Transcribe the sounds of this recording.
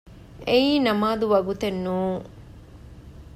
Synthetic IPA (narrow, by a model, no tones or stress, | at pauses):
ʔeiːnɐmaːd̪uʋɐɡut̪enːuːŋ